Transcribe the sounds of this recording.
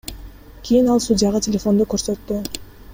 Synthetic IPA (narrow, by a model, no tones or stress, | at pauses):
kʲʰijinɑlˠsudʲɪjaʁɑtʲʰelʲefo̞nd̪okøɾsøt̪ːy